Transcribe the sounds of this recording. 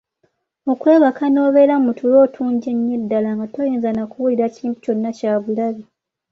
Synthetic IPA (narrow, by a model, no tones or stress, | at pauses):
okwe̞ːβakano̞ːβe̞ɾamutulo̞ːtʰuːɲɟe̞ɲːedːalaŋɡato̞jiːnzanakuβuliɾaciːmpu̥co̞nːacaːβulaβi